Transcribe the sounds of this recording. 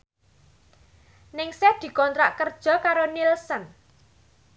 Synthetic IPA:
nɪŋsɛd̪̥i̤kɔnt̪ɾaʔkərd̥ʒ̥ɔ̤kaɾonilsən

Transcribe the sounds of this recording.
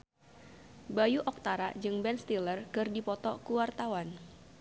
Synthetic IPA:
bajuʔɔk̚t̪aɾad͡ʒɨŋbɛnst̪ilərkɨrdipɔt̪ɔkuwart̪awan

